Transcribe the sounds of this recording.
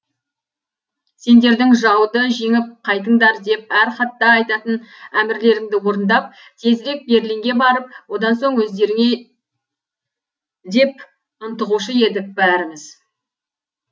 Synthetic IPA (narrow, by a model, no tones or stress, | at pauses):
se̞nd̪e̞ɾd̪ɪŋʒɑwd̪əʒe̞ŋɪp̚qʰɑjt̪̬əɴd̪ɑɾd̪e̞p̚æɾχɑt̪ːɑːjt̪ɑt̪ənæmɪɾle̞ɾɪŋd̪ɪwo̞ɾənd̪ɑp̚ | t̪ʰe̞zɪɾe̞k̚be̞ɾɪleŋɡʲe̞bɑɾəp̚wo̞d̪ɑnso̞ɴwɵzd̪e̞ɾɪŋe̞ | d̪e̞p | ʊnt̪əʁuʃəe̞d̪ɪk̚bæɾɪmɪz̥